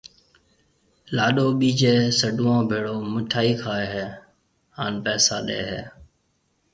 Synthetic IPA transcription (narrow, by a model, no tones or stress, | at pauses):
laːɗoːɓiːd͡ʒeːsəɖuːãːbʱeːɽoːməʈʰaːiːkʰaːeɦeː | ɦaːnpɛːsaːɗḛːɦeː